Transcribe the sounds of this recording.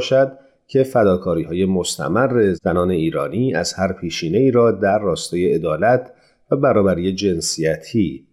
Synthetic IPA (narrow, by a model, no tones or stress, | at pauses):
ʃæd̪̚ | cʰe̞fæd̪ɒːkʰɒːɾiːhɒːje̞mo̞st̪ʰæ̰mærːe̞zænɒːne̞iːɾɒ̰ːniːʔæz̥hæɾpʰiːʃiːne̞iːɾɒːd̪æɾːɒːst̪ɒːje̞e̞d̪ɒːlæt̪ʰ | væbæɾɒːbæɾiːje̞d͡ʒe̞nsijæt̪ʰiː